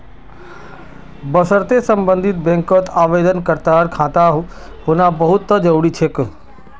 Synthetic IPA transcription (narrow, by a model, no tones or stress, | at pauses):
bəsəɾt̪esə̃mbə̃nd̪ʱɪt̪̚bẽːŋkot̪aːʋeːd̪ənkəɾt̪aːɾkʰãːt̪aɦu | ɦʊnãbɐɦʊt̪ːəd͡ʒəʋɽit͡ʃʰek